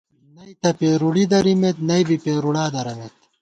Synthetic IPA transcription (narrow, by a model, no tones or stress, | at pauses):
nɐjt̪ɐpeːɾuɽid̪ɐɾimet̪nɐjbipeːɾuɽaːd̪ɐɾɐmet̪